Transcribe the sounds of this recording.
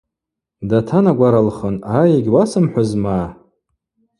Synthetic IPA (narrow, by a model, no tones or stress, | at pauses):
datʰanaɡʷaɾalχənajeɡʲwasɨmħʷazmaː